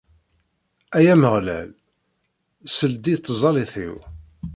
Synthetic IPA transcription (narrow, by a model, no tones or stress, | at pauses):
æjæməʁlæ̰l | səld̪it̪ˤːzˤɑliθḭw